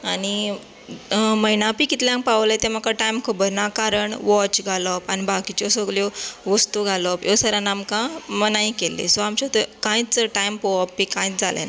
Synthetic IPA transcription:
añi | məjnãpikit̪ljãŋkpaʋlət̪em̤əkaʈajmkʰəbəɾnakaɾəɳʋɔt͡ɕɡʱalɔpanibakit͡ɕɔsəɡljɔʋəst̪uɡʱalɔpjɔsəɾanamkãmənaĩkelːḛsɔamt͡ɕɔt̪əkãjit͡səʈajmpɔɔpːikãĩt͡sd͡zʱalḛna

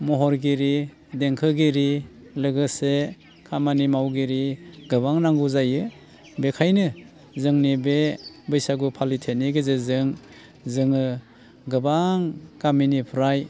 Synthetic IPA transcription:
mɔɦɔɾɡiɾi | deŋkʰɯɡiɾi | lɯɡɯse | kʰamanimawɡiɾiɡɯbaŋnaŋɡuzajɯ | bekʰajnɯ | zɯŋnibebɯjsaɡupʰalitʰeniɡɯzezɯŋ | zɯŋɯ | ɡɯbaŋɡaminipʰuɾaj

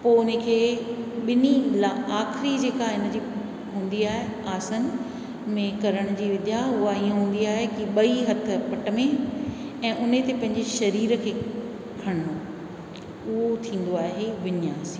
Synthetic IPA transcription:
poːʊnəkʰeːɓɪnilaaːxɪɾid͡ʑeːkaɪn̆d͡ʑiː | ɦũːnd̪iaːɦeaːsən | mẽkɐɾəɽ̃d͡ʑiːʋɪd̪ʱjaɦʊaiːə̃ɦũːn̆d̪iaːɦekiɓɐiɦɐt̪ʰə̆pɐʈə̆mẽ | ɛ̃ːʔʊnet̪epɐ̃ɦɪ̃ɲd͡ʑeʃɐɾiːɾkʰeː | kʰɐɽ̃o | ʊɦot̪ʰĩːn̆d̪oaːɦeʋɪniaːsĩː

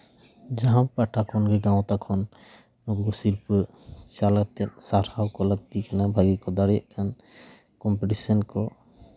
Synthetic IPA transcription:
d͡ʒaɦampaʈʰakʰɔnɡɛɡãw̃t̪akʰɔn | ɔbɡɔsiɾpə | t͡ʃalat̪ɛt̪̚ˀsaɾhawkɔləɡ̚t̪ikanabʱaɡikɔd̪aɽijaʔkʰan | kɔmpɛʈisɔnkɔ

